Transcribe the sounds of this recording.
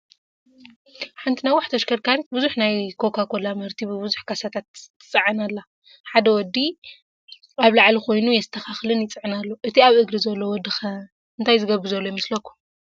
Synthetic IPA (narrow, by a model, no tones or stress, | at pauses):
ħant̪ʰinajwaħt̪ʰɐʃkʰɐɾkʰaɾit̪̚buzuħnajkʰo̞kʰakʰo̞lamɐɾt̪ʰibɨβɨzuħkʰasat̪ʰat̪ːɨ̥t͡sʼɐʕanalːa | ħad̪ɐwɔd̪ːi | aβlaʕlixo̞jnujɛzɨt̪ʰɐxaxlɨnjɪt͡sʼɨʕɨnalːo̞ʔɨt̪ʰiaβʔɨɡɾizɐlːowɔd̪ɨxɐ | ɨnt̪ʰajzɨɡɐβːɨzɐlːojɛmɐslɐkʰːu̥